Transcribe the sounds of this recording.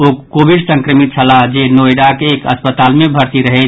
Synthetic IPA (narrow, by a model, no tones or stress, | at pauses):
okkobiɖsə̃ŋkɾəmit̪̚t͡ʃʰəlad͡ʒenojɖakeekə̰spət̪almebʱəɾt̪iɾəɦɛ